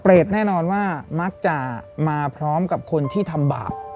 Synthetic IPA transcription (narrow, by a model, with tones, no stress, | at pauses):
pɾeː˨˩t̪̚nɛː˥˩nɔː˧nwaː˥˩ma˦˥k̚t͡ɕa˨˩maː˧pʰɾɔː˦˥mka˨˩p̚kʰo˧nt̪ʰiː˥˩t̪ʰa˧mba̰ː˨˩p̚